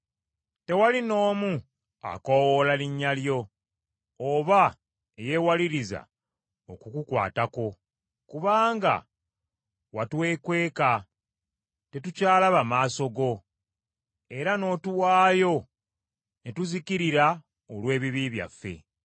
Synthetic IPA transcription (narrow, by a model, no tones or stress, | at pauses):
te̞walino̞ːmu | a̰kowolaliɲːaljo̞ː | βa | eje̞ːwaliɾiza̰ | o̞kukukwa̰ːtako̞ | kuβaːŋɡa̰ | watwe̞ːkwe̞ːka | te̞tucaːlaβamaːso̞ɡo̞ | e̞ɾano̞tuwaːjo̞ | netuzikiɾiɾa | olwe̞ːβiβiβja̰fːe̞̰